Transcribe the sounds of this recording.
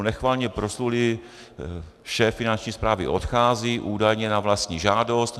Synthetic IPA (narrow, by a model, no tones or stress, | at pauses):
nɛxvaːlɲɛpɾoslulɪ | ʃɛːfːɪnant͡ʃɲiːspɾaːvɪ̰ʔo̞t̪xaːziːʔuːdajɲɛnavlast̪ɲiːʒaːdo̞st̪